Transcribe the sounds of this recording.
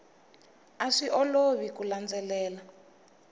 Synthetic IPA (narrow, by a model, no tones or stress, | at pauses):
aʂiʔɔloβikuland͡zɛlɛːla